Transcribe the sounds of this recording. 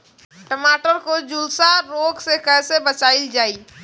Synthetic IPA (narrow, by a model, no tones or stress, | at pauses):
ʈəmaːʈəɾkod͡ʒʊlsaɾoːɡsekɛːsebət͡ʃaːɪld͡ʒaːiː